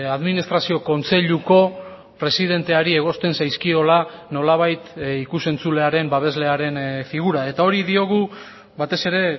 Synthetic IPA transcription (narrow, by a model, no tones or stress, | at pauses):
aðminist̪ɾasio̞ko̞nt͡se̞ʎuko̞ | pɾe̞siðe̞nt̪e̞aɾie̞ɣ̞o̞st̪e̞nsajskio̞lano̞laβ̞ajt̪ikuse̞nt͡sule̞aɾe̞mbaβ̞e̞zle̞aɾe̞nfiɣ̞uɾae̞t̪ao̞ɾiðio̞ɣ̞u | βat̪e̞se̞ɾe̞